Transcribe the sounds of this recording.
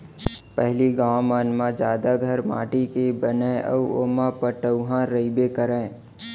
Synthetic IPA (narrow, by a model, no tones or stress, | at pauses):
pɛɦliɡãːʋmanmãd͡ʒaːd̪aɡʱəɾma̰ːʈikebəneʔə̰uoːmapəʈəʊɦãɾəibekəɾẽː